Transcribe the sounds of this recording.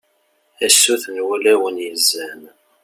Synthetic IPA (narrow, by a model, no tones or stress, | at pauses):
æsːuθənwælæwənjəzːæn